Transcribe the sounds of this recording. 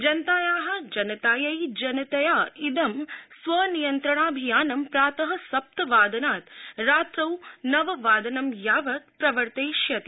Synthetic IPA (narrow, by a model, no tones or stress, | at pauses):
d͡ʒɐnt̪aːjaːɦɐ̆d͡ʒɐnɐt̪aːjɐjd͡ʒɐnɐt̪ɐjaːid̪ɐmsʋɐnijɐnt̪ɾɐɳaːbʱijaːnɐmpɾaːt̪ɐɦɐ̆sɐp̚t̪ɐʋaːd̪ɐnaːt̪ɾaːt̪ɾɐwnɐʋɐʋaːd̪ɐnɐmjaːʋɐt̪̚pɾɐʋɐɾt̪ejʃjɐt̪i